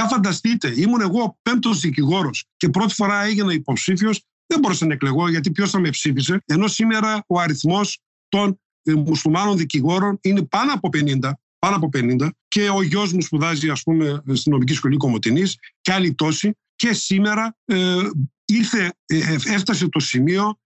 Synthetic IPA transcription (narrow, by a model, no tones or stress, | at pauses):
ɐfɐnd̪ɐst̪it̪e̞imune̞ɣo̞pe̞m̚t̪o̞zðiciɣo̞ɾo̞sce̞pɾo̞t̪i̥fo̞ɾɐeʝinɐipo̞psifio̞s | ðembo̞ɾesenɐekle̞ɣoʝɐt̪ipço̞sθɐmepsifis̬e̞eno̞sime̞ɾɐo̞ɐɾiθmo̞s | t̪o̞n | musulmɐno̞nðiciɣo̞ɾo̞nine̞pɐnɐpo̞pe̞nind̪ɐ | pɐnɐp̬o̞penind̪ɐce̞oʝo̞zmuspuðɐziɐspume̞st̪ino̞mic̬isko̞liko̞mo̞t̪inisceɐlit̪o̞si | ce̞sime̞ɾɐ | iɾθe̞eft̪ɐs̬e̞t̪o̞simio̞